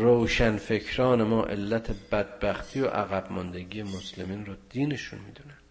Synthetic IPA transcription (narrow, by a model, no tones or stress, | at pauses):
ɾowʃænfe̞cʰɾɒːne̞mɒːʔe̞̰lːæt̪ʰebæd̪̚bæxt̪ʰiːjo̰ʔæɣæbmɒnd̪eɟijemoslemiːnrod̪̥iːne̞ʃunmḭːd̪unæn